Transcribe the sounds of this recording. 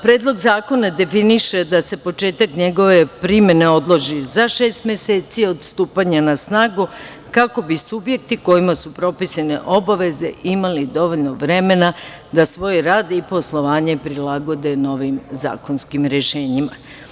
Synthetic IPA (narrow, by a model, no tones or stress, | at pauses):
pɾe̞ːd̪lˠo̞ɡzaːko̞nad̪e̞finiʃe̞d̪ase̞po̞t͡ʃe̞ːt̪akɲe̞ɡo̞ʋe̞pɾimje̞ne̞o̞d̪lˠo̞ʒizaʃe̞ːst̪mʲje̞se̞ːt̪sio̞d̪st̪uːpaɲanasnaːɡu | kako̞bisubje̞k̚t̪iko̞imasupɾo̞pisanḛʔo̞baʋe̞ze̞imalid̪o̞ʋoʎno̞ʋɾe̞me̞na | d̪asʋo̞ːjɾaːd̪ipo̞slˠo̞ʋaːɲe̞pɾilaɡo̞d̪e̞no̞ʋimza̰ːko̞nskimɾeʃe̞ːɲima